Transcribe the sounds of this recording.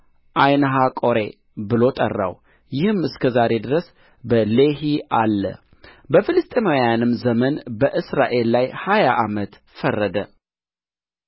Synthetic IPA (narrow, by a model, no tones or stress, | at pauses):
ʔajnəɦakʼoɾe̞ | bɨlo̞t̪ʼə̰rːa̰w | jɪhɨmɨskʰəzaɾe̞d̪ɨɾəs | bəleɦiʔalːə̰ | bəfɨlɨst̪ʼemojanɨmzəmənbəʔɨsɾa̰ʔe̞lːajhajaʔamət̪ | fərːəd̪ə